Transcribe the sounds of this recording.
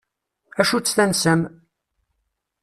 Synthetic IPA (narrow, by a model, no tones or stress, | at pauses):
æʃut͡sːθænsəm